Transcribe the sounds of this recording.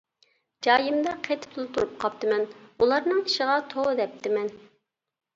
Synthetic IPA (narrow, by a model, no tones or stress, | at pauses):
d͡ʒɑːjɨmd̪ɑqʰet̪ʰɪ̥p̚t̪ʰulˠt̪ʰuɾup̚qʰɑp̚t̪ɨmɛnulˠɑɾnɨŋi̥ʃɪʁɑt̪ʰoʁd̪ɛp̚t̪ʰɪmɛn